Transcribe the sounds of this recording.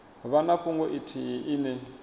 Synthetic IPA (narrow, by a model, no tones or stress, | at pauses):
βanaɸʰuŋɡɔʔitʰiʔinɛ